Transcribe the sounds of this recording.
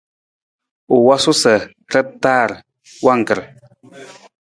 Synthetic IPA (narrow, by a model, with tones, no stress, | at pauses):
u˨wa˦su˦sə˨ | ɾɛ˦p̚taː˦˨ɾ | wa˦˨ŋ̩˨kə˨